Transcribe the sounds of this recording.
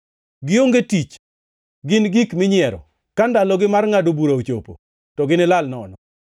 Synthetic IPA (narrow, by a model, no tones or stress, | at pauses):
ɡɪoŋɡetit͡ʃ | ɡɪnɡikmɪɲɪɛɾɔ̰ | kandalɔɡɪmarŋadobuɾaot͡ʃopo̰ | tɔɡɪnɪlalnɔ̰nɔ